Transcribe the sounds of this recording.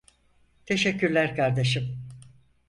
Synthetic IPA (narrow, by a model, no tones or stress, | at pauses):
t̪ʰe̞ʃɛkcʰːyɾlʲæɾkʰaɾd̪eʃɯm